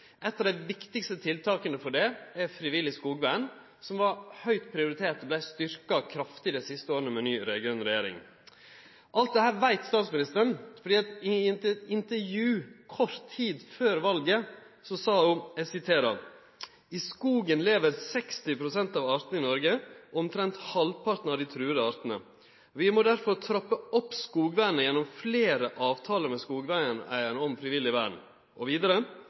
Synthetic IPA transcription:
ʔɛt̪ːɑd̪æɪʋɪkt̪ɪkst̪ət̪ʰɪlt̪ʰɑːkənəfɔɖɛɛfɾɪʋɪlːɪskuːɡbæn | sɔmʋɑɾhœʏt̪pʰɾɪʊɾɪt̪ʰeːt̪ɔblæɪst̪ʏɾkɑkʰɾɑft̪ɪd̪ɛɪsɪst̪əoːɾnəmɛnyːɾɛɡœnɾɛjeːɾɪ̰ŋ | ʔɑlt̪̚d̪ɛhæːɾʋæɪt̪st̪ɑːt̪smɪnɪst̪əɾəɳfɔɖiːɑt̪ɪɪnt̪əɪnt̪əɾjʉːkʰɔɾt̪ʰːiːd̪føːɾʋɑlɡə | sɔsɑːʊɛsɪt̪ʰeːɾɑ̰ | ɪskuːɡənleːʋəɾsɛkst̪ɪpʰɾʊsɛnt̪ɑːʋɑːɾt̪nəɪnɔɾɡəʔɔmt̪ʰɾɛnt̪hɑlpʰɑɾt̪n̩ɑʋd̪ɪt̪ʰɾʉːəd̪əɑːɾt̪ən̩ə̰ | ɔʋɪmɔd̪æɾfɔɾt̪ʰɾɔpːəɔpːskuːɡʋæɪnəjɛnːɔmfleːɾəʔɑːʋt̪ʰɑːləɾmɛskuːɡʋæɪənæ̰ɪəɳəɔmfɾɪʋɪlːɪʋæ̰ːɳ | ʔɔʋiːd̪əɾə

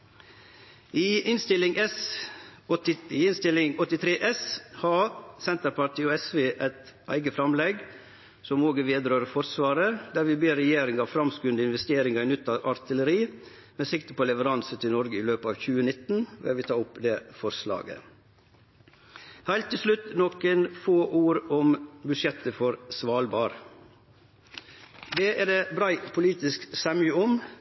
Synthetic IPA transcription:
iːɪnst̪ɪlɪŋɛs | ɪɪnst̪ɪlɪŋɔt̪ːɪt̪ʰɾeːʔɛshɑːsɛnt̪əɾpɑɾʈ̪ʰiːɔɛsʋeːʔæɪt̪ | ʔæ̰ɪɡəfɾɑmlɛɡ | sɔmoːɡəʋeːd̪ɾøːɾfɔɾsʋɑːɾəd̪æːɾʋɪbeːɾɛjeːɾɪŋɑʋfɾɑmskʉnd̪əɪnʋɛst̪eːɾɪŋɑɪnʏt̪ːɑʔɑɾt̪ɪləɾiː | mɛsɪkt̪əpʰɔlɛʋəɾɑnsət̪ʰɪlnɔɾɡəɪløːpəɑːʋçʉːənɪt̪ːn̩ʋɛ̰ɛʋɪt̪ʰɑːʊpːd̪ɛːfɔɾslɑ̰ːɡə̰ | hæɪlt̪ːɪlslʉt̪nɔkənfoːʔuːɾɔmbʉʂjɛt̪ːəfɔɾsʋɑːlbɑːɾ | d̪eːʔæɾd̪eːbɾæɪpʰʊliːt̪ɪsksɛmʏəɔm

